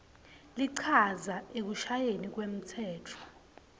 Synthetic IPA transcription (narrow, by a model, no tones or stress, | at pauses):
liǀʰazaek̬uʃajenik̬wem̩tʰɛːtʰɔ̥